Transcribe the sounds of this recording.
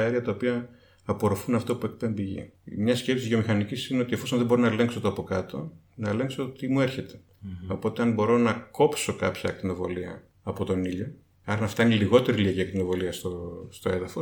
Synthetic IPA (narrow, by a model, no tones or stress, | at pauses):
ɐeɾiɐt̪ɐopiɐː | po̞ɾofunɐft̪opue̞k̚pembiʝḭmɲɐsce̞psizðjio̞mixɐnicisineo̞t̪iefo̞sonðeboɾinɐele̞ŋksot̪oɐpo̞kɐt̪o̞̰ | nɐele̞ŋksot̪imue̞ɾçe̞t̪e̞̥ | o̞po̞t̪e̞ɐnbo̞ɾo̞nɐko̞pso̞kɐpçɐk̚t̪ino̞vo̞̰liɐ̰ː | po̞t̪o̞niʎo̞ | ɐɾnɐft̪ɐineliɣo̞t̪e̞ɾiliɐciɐk̚t̪ino̞vo̞liɐst̪ost̪o̞e̞ðɐfo̞s